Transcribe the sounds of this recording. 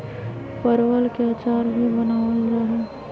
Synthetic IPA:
pəɾwəlkeat͡ʃaːɾbʱibənaːʋəd͡ʒaːɦɛ

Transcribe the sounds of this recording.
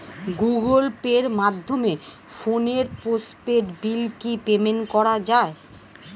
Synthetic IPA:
ɡuɡolpeɾmad̪ʱːome | foneɾpospeʈbilkipemenkɔɾad͡ʑae

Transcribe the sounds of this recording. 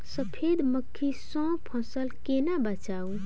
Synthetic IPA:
səpʰed̪məkʰːisɔ̃pʰə̃səlkenabət͡ʃaw

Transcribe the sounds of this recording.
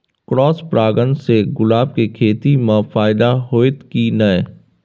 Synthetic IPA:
kɾɔːspɾaːɡənseɡʊlaːb̚kekʰeːt̪imãfaːɪd̪aɦoːɪt̪kinɐe

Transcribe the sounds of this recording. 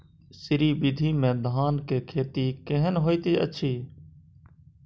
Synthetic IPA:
sɪɾiːbɪd̪ʱiːmẽːd̪ʱaːnkeːkʰeːt̪iːkeɦənɦoːiːt̪iːə̰t͡ʃʰiː

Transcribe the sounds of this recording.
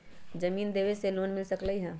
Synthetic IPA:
d͡ʒəmiːnd̪eʋeseloːnmɪlsəkləiɦɛ̃

